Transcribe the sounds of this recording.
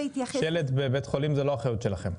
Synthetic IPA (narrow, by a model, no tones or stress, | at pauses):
it̪ajeled̪bebet̪χo̞limzeloaχajut̪ʃelaχem